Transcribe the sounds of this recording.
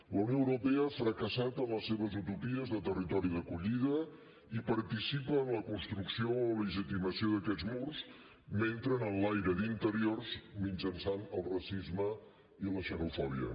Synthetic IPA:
ləwnioəwɾupɛəafɾəkəsat̪əmləsːeβəzut̪upiəzðət̪ərit̪ɔɾiðəkuʎiðə | ipəɾt̪isipəːnləkunst̪ɾuksioləʒit̪iməsioðəkɛd͡zmurz | ment̪ɾənənlajɾəd̪int̪əɾiorzmind͡ʒənsanəlˠrəsizmə | iləʃənufɔβḭə̰

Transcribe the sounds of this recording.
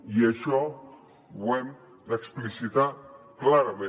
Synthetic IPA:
jeʃo | wen | laeksplisid̪aklaɾamẽ

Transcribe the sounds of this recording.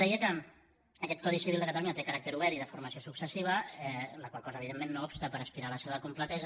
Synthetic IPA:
ɛiəkəː | kɛt̪̚kɔðisiβilˠd̪əkət̪əluɲət̪ekəɾak̚t̪əɾuβɛɾiðəfuɾməsiosuksəsiβ̞əɛləkwalˠkɔzəːβ̞iðemːenːoɔpst̪əpəɾəspiɾaləseβ̞əkumplət̪ɛzə

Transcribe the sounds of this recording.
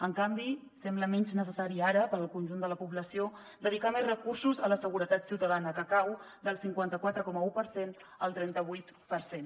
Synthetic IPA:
əŋkambisɛmbləmɛɲznəsəsaɾiaɾəpəɾəlˠkunʲʒund̪ələpuβləsio | d̪əðikamezrəkursuzələsəɣuɾət̪at̪siwt̪əðanəkəkawd̪əlˠsiŋkwant̪əkwat̪ɾəkɔməupəɾsenəlˠt̪ɾɛnt̪əβ̞ujt̪pəɾsen

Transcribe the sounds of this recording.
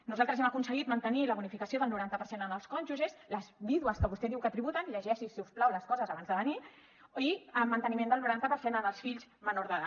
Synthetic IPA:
nuzalˠt̪ɾəzɛməkunsəɣit̪mənt̪əniləβunifikəsioðəlˠnuɾant̪əpəɾsenənəlˠskɔnʒuzesləzβiðuəskəβust̪ɛðiwkət̪ɾiβut̪ənʎəʒɛʃisiusplawləskɔzəzaβanzðəβəni | iəmːənt̪ənimend̪əlˠnuɾant̪əpəɾsenənəlˠsfiʎzmənoɾðəða

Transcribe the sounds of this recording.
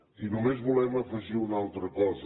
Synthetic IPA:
inumeʒmulˠɛmɐfɐʒiwunalˠt̪ɾɐkɔzɐ

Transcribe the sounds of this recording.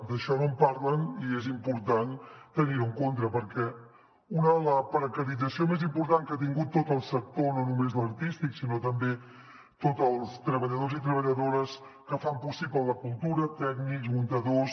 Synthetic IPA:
d̪əʃɔnompaɾləniezimpuɾt̪ant̪əniɾəŋkont̪ɾəpəɾkɛ | unələpɾəkəɾid͡zəsiomezimpuɾt̪aŋkat̪̬iŋɡut̪ːot̪əlˠsək̚t̪ononumezləɾt̪ist̪iksinot̪əmbe | t̪ot̪əlˠst̪ɾəβəʎəðozit̪ɾəβ̞əʎəðoɾəs | kəfampusiplələkulˠt̪uɾət̪ɛɡnikzmunt̪əðos

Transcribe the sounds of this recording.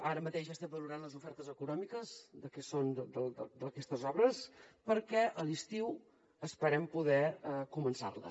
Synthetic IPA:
aɾəmət̪eʒəst̪ɛmbəluɾanləzufɛɾt̪əzəkunɔmikəzd̪əkɛsond̪əd̪əld̪əd̪əkɛst̪əzɔβɾəspəɾkɛʔəlist̪iw | əspəɾɛmpuðɛəkumənsa̰rlə̰

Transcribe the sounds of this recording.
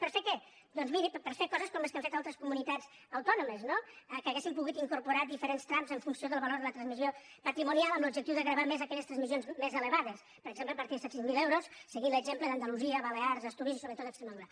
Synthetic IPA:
pəɾfekɛ | d̪ɔnzmiɾippəɾfekɔzəskɔmeskəɱfet̪alˠt̪ɾəskumunit̪ad͡z | əwt̪ɔnuməznoəkəɣesimpuɣut̪iŋkuɾpuɾad̪ifəɾenst̪ɾamzəɱfunsioðəlˠβəloɾðələt̪ɾənzmiziopət̪ɾimunialˠəmblubʒək̚t̪iwðəɣɾəβamezəkɛʎəst̪ɾənzmizionzmezələβaðəs | pəɾəɡzempləpəɾt̪iðsɛsizmilewɾosːəɣinləɡzempləðənd̪əluziəβəleaɾzəst̪uðizisoβɾət̪ot̪əkst̪ɾeməðuɾə

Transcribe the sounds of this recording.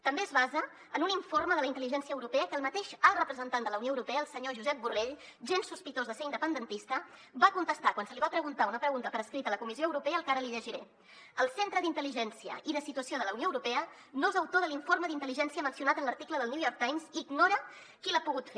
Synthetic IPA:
t̪əmbeəzβazəː | nuniɱforməðələint̪əliʒɛnsiəwɾupɛəkəlˠmət̪eʃalˠrəpɾəzənt̪and̪ələwnioəwɾupɛəːəlˠsəɲoʒuzɛp̚bureʎ | ʒensuspit̪ozðəseɾind̪əpənd̪ənt̪ist̪ə | bakunt̪əst̪akwansəliβapɾəɣunt̪aunəpɾəɣunt̪əpəɾəskɾit̪ələkumisioəwɾupɛəːəlˠkaɾəliʎəʒiɾe | əlˠsent̪ɾəðint̪əliʒɛnsiə̰ʔiðəsit̪uəsioðələwnioəwɾupɛə | nozəwt̪oðəliɱforməðint̪əliʒɛnsiəmənsiunat̪ənləɾt̪ikləðəlniujɔɾk̚t̪ajmziɡnoɾə | kilapuɣut̪fe

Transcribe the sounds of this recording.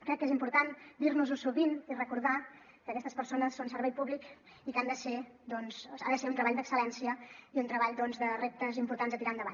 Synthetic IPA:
kɾɛkːezimpuɾt̪and̪iɾnuzusuβinirəkuɾða | kəːkɛst̪əspəɾsonəsːonsəɾβɛjpuβlik | ikand̪əsed̪ɔnzaðəseunt̪ɾəβaʎd̪əksəlɛnsiəiunt̪ɾəβaʎd̪ɔnzðərep̚t̪əzimpuɾt̪anzət̪iɾand̪əβaɲ

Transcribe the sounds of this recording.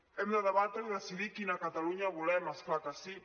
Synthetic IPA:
ɛmd̪aðəβat̪eðasiðikinakat̪aluɲaβulɛmasklakasi

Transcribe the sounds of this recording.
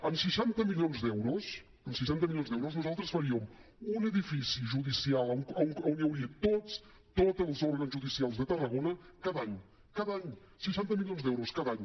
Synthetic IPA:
əmsəʃant̪əmilionzd̪ɛwɾus | əmsəʃant̪əmiljonzdɛwɾuznuzalˠt̪ɾəsfəɾiəm | unəðifisiʒuðisialˠəəəwniəwɾit̪ot͡s | t̪ot̪əlˠzoɾɣənzʒuðisialˠzðət̪ərəɣonəkaðaɲ | kaðaɲ | səʃant̪əmilijonzd̪ɛwɾuskaðaɲ

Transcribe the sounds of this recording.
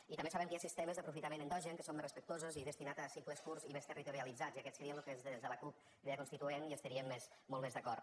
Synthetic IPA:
it̪ambesaβəmŋkəasist̪eməzðəpɾufit̪amenənd̪ɔʒəŋkəsomerəspəkt̪ozuziðəst̪inat̪asipləskuɾzimest̪ərit̪uɾialid͡zaziɐkɛt̪səɾiəloukezðzðələklup | eakunst̪it̪ueniəst̪əɾiəmːesmɔlˠmezðəkɔɾ

